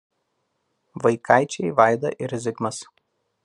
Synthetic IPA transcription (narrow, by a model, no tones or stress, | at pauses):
ʋɐɪkʰɑˑɪt͡ʃʲɛɪʋɑˑɪd̪ɐ̰ʔɪɾʲɛzʲɪɡmɐs